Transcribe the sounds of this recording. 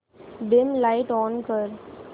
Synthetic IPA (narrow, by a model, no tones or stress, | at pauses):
ɖɪ̃mlaɪʈɔ̃ːnkəɾ